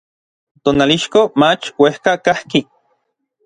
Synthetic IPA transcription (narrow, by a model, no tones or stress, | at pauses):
t̪oːnaliʃkomat͡ʃwehkakahki